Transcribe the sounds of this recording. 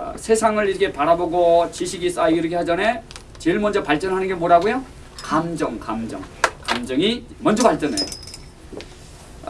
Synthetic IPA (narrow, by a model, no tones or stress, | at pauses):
sʰe̞sʰaŋɯɾiɾʌkʰe̞paɾaboɡot͡ɕiɕʰiɡis͈aiɾʌkʰehad͡ʑʌne | t͡ɕeɭmʌnd͡ʑʌpaɭt͡ɕ͈ʌnɦanɯnɡemoɾaɡojo | kamd͡ʑʌŋkamd͡ʑʌŋkamd͡ʑʌŋimʌnd͡ʑʌpaɭt͡ɕ͈ʌnḛjo̰